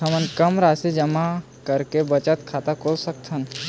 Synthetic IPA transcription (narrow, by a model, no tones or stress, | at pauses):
əmənkəmɾaːsed͡ʒəma | kəɾkebət͡ʃət̪kʰaːt̪akʰoːlsəkt̪ʰɦən